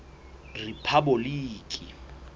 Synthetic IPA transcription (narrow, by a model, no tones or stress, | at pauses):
ripʰabɔliːkʼi